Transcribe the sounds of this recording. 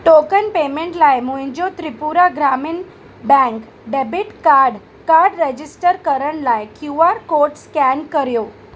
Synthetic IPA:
ʈokənpemẽɳʈlajmũɦĩɲd͡ʑot̪ɾipuɾaɡɾamin | bɛ̃ŋk | ɖebiʈkaɾɖ | kaɾɖɾed͡ʑisʈəɾkəɾəɳ̃lajkjuaɾkoɾʈskɛnkəɾijo

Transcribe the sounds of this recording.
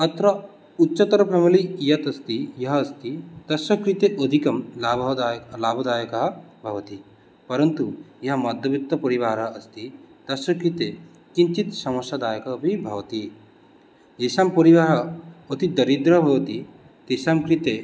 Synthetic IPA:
ɐt̪ɾɐ | utːʃɐt̪ɐɾɐpʰɐmɐlijɐt̪ɐst̪ijɐɦɐːst̪it̪ɐsɐkɾit̪eod̪ʱikɐmlabʱd̪laːbʱɐd̪aːjɐkɐɦɐbʱɐʋɐt̪i | pɐɾɐnt̪ujɐɦɐmɐd̪ʱɐbit̪ːɐpɐɾiʋaːɾɐːst̪it̪ɐsɐkɾit̪e | kint͡ʃit̪sɐmɐʃjad̪aːjɐkɐbʱibʱɐʋt̪i | esampɐɾiʋaːɾɐot̪id̪ɐɾid̪ɾɐbʱɐʋɐt̪i | t̪esamkɾit̪e

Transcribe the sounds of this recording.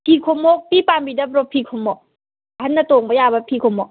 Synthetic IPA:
pʰikʰomok̚pipaːmbidapɾopʰikʰomːɔ | hanːat̪oːŋbajaːbapʰikʰomo

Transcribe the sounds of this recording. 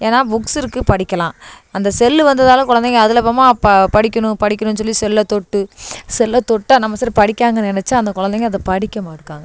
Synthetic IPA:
eːnaːbʊksɪɾɯkːɯpɐɽɪkʲːɐlãːɐnd̪ɐsɛlːɯʋɐnd̪ɐðaːlɐ̃kʊɻɐnd̪ɛŋɡɐɐðɪlɛpːɐmaːpɐɽɪkʲːɐɳʊ̃pɐɽɪkʲːɐnʊnːɯs̬ɔlːisɛlːɐt̪ɔʈːɯsɛlːɐt̪ɔʈːaːnɐmːɐsaːɾpɐɽɪkʲːaːŋɡɐnɛnɛt͡ʃːaːɐnd̪ɐkʊɻɐnd̪ɛŋɡɐɐðɐpɐɽɪkʲːɐmaːɪɾɯkːaːŋɡɐ

